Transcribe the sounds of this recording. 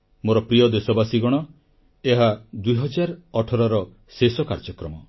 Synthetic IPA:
moɾɔpɾijɔd̪esɔbasiɡɔɽ̃ɔ | eɦad̪ujɦɔd͡ʒaɾɔʈʰɔɾɔɾɔ | sesɔkaɾd͡ʒɔkɾɔmɔ

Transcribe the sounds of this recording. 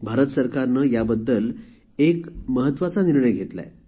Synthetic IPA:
bʱaɾət̪səɾkaɾnəjabəd̪ːəl | ekməɦət̪ːʋat͡saniɾɳeɡʱet̪la̰e

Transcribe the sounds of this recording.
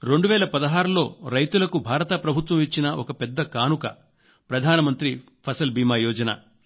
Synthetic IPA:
ɾe̞ɳɖuʋɛːlɐpɐd̪ɐɦaːɾulo̞ːɾɐjt̪ulɐkubʱaːɾɐt̪ɐpɾɐbʱut̪ʋɐmʋit͡ʃːinɐʔɔkɐpɛd̪ːɐkaːnukɐ̰ | pɾɐd̪ʱaːnɐmɐnt̪ɾi | pʰɐsɐlbiːmaːjɔːd͡ʒɐna̰

